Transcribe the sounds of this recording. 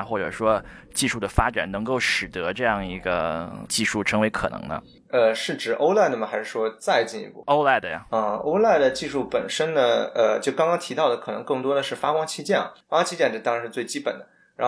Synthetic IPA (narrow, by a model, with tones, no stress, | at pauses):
xwɔ˥˩ʈ͡ʂɤ̰˨˩ʂwɔ˥ | t͡ɕi˥˧ʂu˥˩d̪ə˩fa˥ʈ͡ʂa̰˨˩nnɤ˧˥ŋko˥˩ʊʂɻ̩˨˩t̪ɤ˧˥ʈ͡ʂɤ˥˧jɑ˥˩ŋi˧˥ɡə˧t͡ɕi˥˧ʂu˥˩ʈ͡ʂʰɤ˧˥ŋwe˧˥ɪkʰɤ̰˨˩nɤ̰˧˥ŋnə̰˧ | ə˧ʂɻ̩˥˩ʈ͡ʂɻ̩˨˩ʔo˥ʊla˥˧ɪnə˥˩mə˩xa˧˥ɪʂɻ̩˥˩ʂwɔ˥t͡sa˥˧ɪt͡ɕi˥˧nḭ˧pṵ˥˩o˥ʊla˥˩ɪd̪ə˧˩ə˥˧o̰˥ʊla˥˩ɪd̪ə˩t͡ɕi˥˧ʂu˥˩pə˨˩nʂə˥nnə˨ə˧t͡ɕjo˥˩ʊkɑ˥ŋkɑ˥ŋt̪ʰi˧˥ɑ˥˩ʊd̪ə˩kʰɤ˨˩nɤ˧˥ŋkɤ˥˩ŋt̪wɔ˥d̪ə˨ʂɻ̩˥˩fa˥kwɑ˥ŋt͡ɕʰi˥t͡ɕjɛ˥˩nfa˥kwɑ˥t͡ɕʰi˥t͡ɕjɛ˥˧nʈ͡ʂt̪ɑ˥ŋɻʂɻ̩˥˧t͡swe˥˩ɪt͡ɕi˥pə̰˨˩nd̪ə˦˧˥